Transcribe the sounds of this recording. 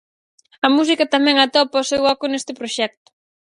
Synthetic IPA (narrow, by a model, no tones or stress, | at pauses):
ɐmus̬ikɐt̪amɛ̃ŋɐt̪ɔpaosewɔkʊnest̪ɪpɾoʃɛk̚t̪ʊ̥